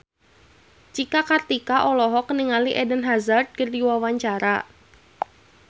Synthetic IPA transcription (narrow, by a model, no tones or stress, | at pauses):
t͡ʃikakart̪ikaʔɔlɔɦɔkəniŋaliʔɛdənɦazard̪̚kərdiwawaɲt͡ʃaɾa